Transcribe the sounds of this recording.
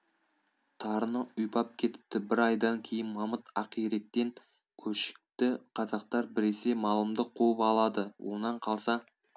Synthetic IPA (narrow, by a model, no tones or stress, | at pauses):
t̪ʰɑɾənəʊjpɑp̚kʲʰe̞t̪ɪ̥p̚t̪ɪbɪɾɑjd̪ɑŋkʲʰe̞jɪnmɑmət̪ɑqijɾe̞k̚t̪e̞ŋ | kʲʰɵʃɪ̥k̚t̪ɪqʰɑzɑq̚t̪ɑɾbɪɾese̞mɑlˠəmd̪əqʰuəpɑlˠɑd̪əwʔo̞̰nɑɴqʰɑlˠsɑ